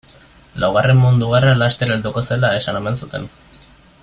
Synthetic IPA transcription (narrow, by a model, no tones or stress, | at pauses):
lawɣare̞mmund̪uɣaralast̪eɾeld̪uko̞se̞lae̞sanemensut̪e̞̰n